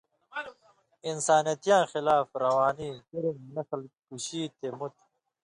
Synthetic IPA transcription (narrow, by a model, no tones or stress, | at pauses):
insaːnjɐt̪jãːxɪlaːfɾɐwaːniːkiɾimnɐslkuɕiːt̪emut̪